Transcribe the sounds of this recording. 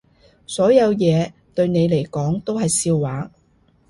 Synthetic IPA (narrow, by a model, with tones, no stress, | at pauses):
sɔː˨˥jɐ˨˧wjɛː˨˧t̪ɵ˧ɥne˨˧jle˨˩jkɔː˨˥ŋt̪o˥wɦɐ˨jsiː˧wːaː˨˥